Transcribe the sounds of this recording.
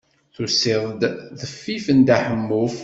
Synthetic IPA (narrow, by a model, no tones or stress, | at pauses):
θuseðˤd̪ðəfːifənd̪aħəmːuf